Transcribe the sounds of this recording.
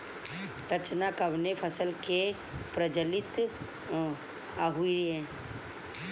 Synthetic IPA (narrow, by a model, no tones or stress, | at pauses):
ɾət͡ʃnakəʋnepʰəsəlke | pɾəd͡ʒəlɪt̪ | aɦuiɾiɦɛ̃ː